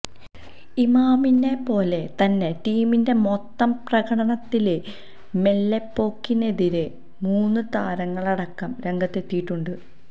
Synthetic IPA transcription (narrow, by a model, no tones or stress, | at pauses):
imaːminde̞po̞ːle̞t̪ɐnːe̞ʈiːminde̞mot̪ːɐmprɐɣɐɽɐɳɐt̪ːile | me̞lːepːo̞ːkːine̞ðiɾe | muːnːɨt̪aːɾɐŋːɐɭɐɽɐkːɐmɾe̞ŋɡɐt̪ːe̞t̪ːijiʈːuɳɖɨ